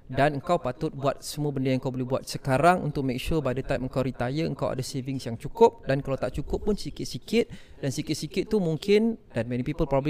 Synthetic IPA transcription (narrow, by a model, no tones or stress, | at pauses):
danəŋkawpat̪ʊt̪̚buat̪̚səmũəbəndəjaŋəŋkawbolɛhbuat̪̚səkaɾaŋṵnt̪ʊk̚mẽk̚ʃupadat̪ajm̚əŋkawɾit̪ajəə̰ŋkawʔa̰daseviŋsjaŋt͡ʃukʊp̚dankalawt̪aʔt͡ʃukʊpːʊnsikɪt̪̚sikɪt̪̚ | dansikɪt̪̚sikɪt̪̚ːumuŋkʰɪndanmɛnipipəlpɾɔbl